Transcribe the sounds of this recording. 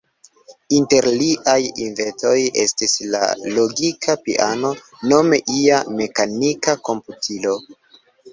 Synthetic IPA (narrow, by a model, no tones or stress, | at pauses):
inte̞ɾliʔajinve̞to̞je̞̰stisla̰lo̞ɡikʰapiʔano̞ | no̞me̞ʔiame̞kanikako̞mputʰilo̞